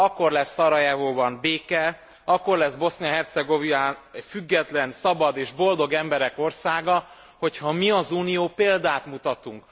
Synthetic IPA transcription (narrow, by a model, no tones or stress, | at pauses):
ɒkːo̞rlɛsːɒɾɒjavoːbɒnbeːkɛ | ɒkːo̞rlɛzbo̞sniɒɦɛrt̪sɛɡoviaːɛfyɡːɛt̪lɛnsɒbɒd̪eːʒbo̞ld̪o̞ɡɛmbɛɾɛko̞rsaːɡɒ | ho̞chɒmiɒzuːnijoːpeːld̪aːt̪mut̪ɒt̪uŋk